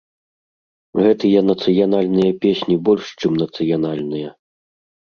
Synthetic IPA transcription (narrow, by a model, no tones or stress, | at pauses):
ɣɛt̪ɨjɐnɐt̪sɨjanalʲnɨjɐpʲesʲnʲibɔlʲʂt͡ʂɨmnɐt̪sɨjanalʲnɨjɐ